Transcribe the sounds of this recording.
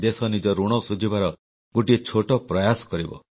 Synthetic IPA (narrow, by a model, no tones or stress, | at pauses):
d̪esɔnid͡ʒɔɾuɽ̃ɔsud͡ʒibaɾɔ | ɡoʈiet͡ʃʰoʈɔpɾɔjasɔ̥kɔɾibɔ̰